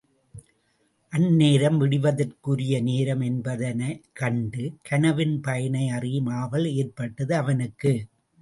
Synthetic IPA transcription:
ʔɐnːeːɾɐmʋɪɽɪʋɐðɐrkɯɾɪjɐneːɾɐmɛnbɐðɐnɐkɐɳɖɯkʰɐnɐʋɪnpɐjɐnɐɪɐrɪjɯmaːʋɐleːɾpɐʈːɐðɯɐʋɐnɯkːɯ

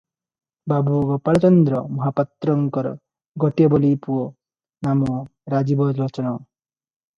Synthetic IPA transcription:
babuɡɔpaɭɔt͡ʃɔnd̪ɾɔmɔɦapat̪ɾɔŋkɔɾɔ̰ | ɡɔʈijɔbɔlipuo | namɔɾad͡ʒibɔd͡ʒɾɔt͡ʃɔnɔ

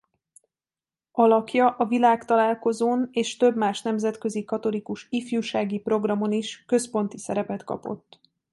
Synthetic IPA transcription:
ɒlɒkjɒʔɒvilaːkt̪ɒlaːlko̞zoːneːʃt̪ø̞bmaːʃn̪ɛmzɛt̪kø̞zikɒt̪o̞likuʃifjuːʃaːɡipro̞ɡrɒmo̞niʃkø̞spo̞n̪t̪isɛɾɛpɛt̪kɒ̰po̞̰t̪ː

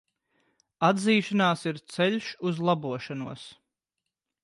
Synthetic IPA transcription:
ad̪ziːʃanaːsiɾt̪sɛʎʲʃuzlˠabuɔʃanuɔs

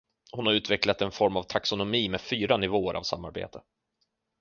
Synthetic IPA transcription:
hʊnhaɾʉ̟ːt̪vɛklat̪ɛnfɔɾmavt̪ʰaksʊnʊmiːmeːfyːɾanɪvoːəɾʔa̰vsa̰mːaɾbḛːt̪ʰə

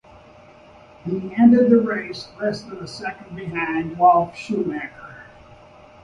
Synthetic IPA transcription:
hiɛ̃ndɨd̪̚ðəɹeɪslɛsə̃n̩ðəsɛkə̃nbɨɦãɪ̃nd̚wɔlˠfʃumækə˞

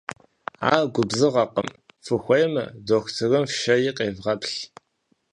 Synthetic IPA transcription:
a̰ːɡʷʊbzɨʁɐqəmfɨxʷejmɨ̰doːxʷtʰɨrɨmfʃɐjiːqʼeːvʁɐpɬ

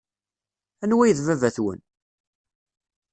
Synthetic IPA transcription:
ænwæjəðvævæθwə̰n

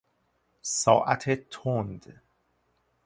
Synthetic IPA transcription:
sɒ̰ːʔæ̰t̪ʰet̪ʰond̪

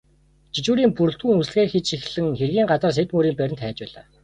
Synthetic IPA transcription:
t͡ɕʰit͡ɕuːɾiːŋpurɬt̪xuːŋusɮɣeːxit͡ɕʃixɮɘ̆ŋxerɣʲiːŋɢat͡sə̆rs̬et̪muːɾiːmpæɾʲɪ̆nt̪ʰæːt͡ɕpæːɮa̰ː

